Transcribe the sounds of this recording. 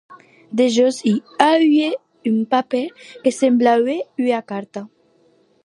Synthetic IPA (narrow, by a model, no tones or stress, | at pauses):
d̪eʒɔsiaɥe | ympapɛlkesemblaweyakaɾt̪a